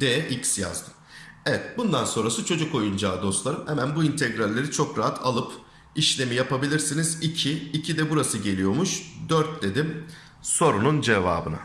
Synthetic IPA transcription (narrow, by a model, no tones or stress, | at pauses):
d̪̥eɛʔicsja̰zd̪ɯ̥m | evɛt̪̚bund̪anso̞nɾasɯt͡ʃʰo̞d͡ʒuko̞jund͡ʒaːd̪o̞st̪lˠaɾɯmhɛmænbuint̪ʰɛɡɾalʲːe̞ɾit͡ʃʰo̞kɾaɦat̪ʰa̰lˠɯp | iʃlʲe̞mijapabilʲiɾsinizicʰiːcʰid̪ɛbuɾasɯɟe̞lʲijo̞muʃd̪œɾt̪̚d̪e̞d̪im | so̞ɾunund͡ʒeva̰ːbɯna̰